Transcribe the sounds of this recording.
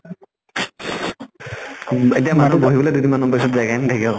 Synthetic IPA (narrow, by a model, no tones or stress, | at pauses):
etiamanuboɦibɔledudimanupasɔtzaɡajndʰakɛ